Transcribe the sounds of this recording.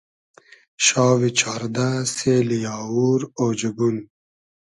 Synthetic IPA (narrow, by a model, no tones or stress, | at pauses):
ʃɑːwit͡ɕʰɑːɾd̪aseːlijɑːwuɾoːd͡ʑɐbun